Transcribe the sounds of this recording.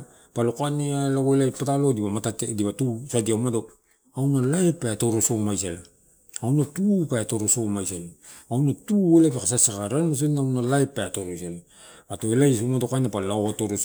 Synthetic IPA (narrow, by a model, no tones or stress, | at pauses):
palokanealaɡoelajpatalo̞diβamatatediβatusadiawmado̞ | awnalaepːaatoɾosomajsela | awnatupaato̞ɾosomajselawnatuelap̬ekasasakaɾanas̬enawnalajpeatoɾosela | atoelajsomadokanapalaoatoɾos